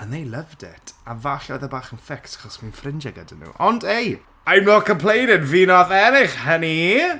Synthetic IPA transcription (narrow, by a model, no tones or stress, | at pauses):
anejlˠəvdɛ̰tʰavaɬɔjðəbaːχənfɪksḁχɔsminfrɪnd͡ʒaɡədənːṵʔɔndej | ajmɔkʰəmpʰl̥ejɾɪdviːnɔðɛnɪχhəni